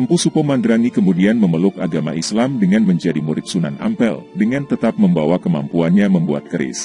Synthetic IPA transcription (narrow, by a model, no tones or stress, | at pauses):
əmpusupɔmandɾaŋikəmudianməməlʊkaɡama̰ʔislamdəŋanməɲd͡ʒadimuɾɪt̪̚suna̰na̰mpɛldəŋant̪ət̪ap̚məmbawakəma̰mpuanɲaməmbua̰t̪̚kəɾɪ̰s